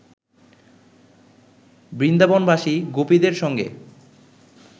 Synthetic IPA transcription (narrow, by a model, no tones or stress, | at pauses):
bɾind̪abonbaʃiɡopid̪eɾʃɔŋɡḛ